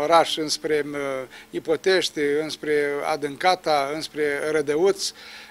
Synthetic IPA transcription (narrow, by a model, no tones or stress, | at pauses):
oɾaʃɨnspɾe | ipo̞t̪eʃt̪ʲɨnspɾea̰d̪ɨŋkat̪aɨnspɾeɾəd̪əut̪s